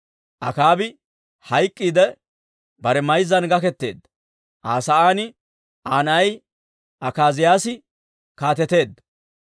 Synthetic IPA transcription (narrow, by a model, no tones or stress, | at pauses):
ʔɐkaːbɪ | hɐjkʼːiːd̪ɛ | bɐɾɛmɐjzɐnɡɐkɛt̪ːe̞̰ːd̪ːɐ | ʔaːsɐʔaːnɪ | ʔaːnɐj | ɐkaːzɪjaːsɪ | kaːt̪ɛt̪e̞ːd̪ːɐ